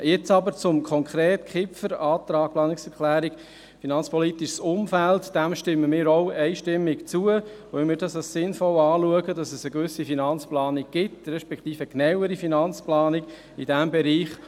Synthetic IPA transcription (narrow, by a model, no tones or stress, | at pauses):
jɛt͡sɑbəɾt͡sʊmkʰɔŋkʰɾeːtkχɪfəɾɑːt̪ɾɑːk̚plɑːnɪksɛɾklæːɾik | finɑnt͡spɔlitiʃsʊmfæltd̥æmʃtɪmːəmɪːɾoʊɛɪʃtɪmːɪkt͡suə | oɪmɪːɾdɑsɑssɪnfɔlɑːluəɡədɑsɛsəkʋʏsifinɑnt͡splɑːniɡ̚ɡ̥ɪtɾɛʃpɛkχt̪iːfəknɛwəɾifinɑnt͡splɑːnɪɡ̥ | id̥æmbɛɾiːχ